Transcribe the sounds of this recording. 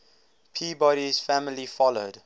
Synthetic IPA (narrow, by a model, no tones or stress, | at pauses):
pʰiːbɔɾiz̥fæmɪlifɔlod